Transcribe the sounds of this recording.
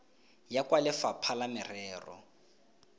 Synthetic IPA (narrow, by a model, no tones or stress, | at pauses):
jakʼwalɪfapʰalamɪrɛːrɔ̰